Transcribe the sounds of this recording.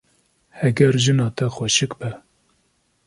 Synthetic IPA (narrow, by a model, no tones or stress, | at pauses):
hɛɡɛɾʒɨnɑːt̪ʰɛxwɛʃɨkbɛ